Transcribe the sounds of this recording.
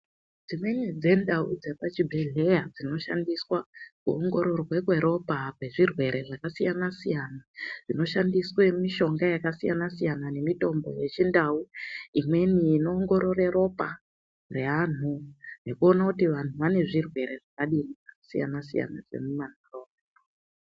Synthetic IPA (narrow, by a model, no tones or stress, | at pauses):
d͡zimwe̞nid͡ze̞ndaud͡ze̞pat͡ʃibʱeɮe̞jad͡zino̞ʃa̰ndiswakuoŋɡo̞ɾo̞rwe̞kwe̞ɾo̞pakwe̞ʐirwe̞ɾe̞ʐakasijanasijanad͡zino̞ʃandiswemiʃo̞ŋɡajakasija̰nasijanane̞mito̞mbo̞̰je̞t͡ʃindauimwe̞niːno̞ːŋɡo̞ɾo̞re̞ɾo̞pa | re̞an̤une̞kuo̞nakutiʋan̤uʋane̞ʐirwe̞ɾe̞ʐakaɗiniʐakasija̰nasḭja̰na̰d͡ze̞̰muman̤oroːma